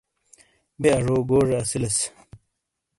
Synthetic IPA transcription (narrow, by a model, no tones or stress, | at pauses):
beɐʐoːɡoːʐeɐsilɐs